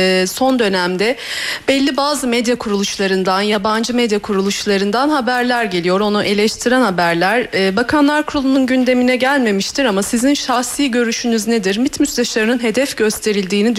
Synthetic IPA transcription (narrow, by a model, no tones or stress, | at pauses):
so̞nd̪ø̞næmd̪ɛb̥ɛlʲːibaːzɯmɛd̪jakʰuɾulˠuʃlˠaɾɯnd̪anjaband͡ʒɯmɛd̪jakʰuɾulˠuʃlˠaɾɯnd̪anhabæɾlʲæɾɟe̞lʲijo̞ɾo̞nuʔe̞lʲɛʃt̪ʰiɾɛnhabæɾlʲæɾ̥bakʰanlˠaɾkʰɾolˠununɟynd̪e̞minɛɟælʲme̞miʃt̪ʰiɾamasizinʃahsiːɟø̞ɾyʃynyzned̪iɾmit̪myst̪ʲɛʃaɾɯnɯnɦe̞d̪ɛfɟø̞st̪ʰe̞ɾilʲd̪iːnid̪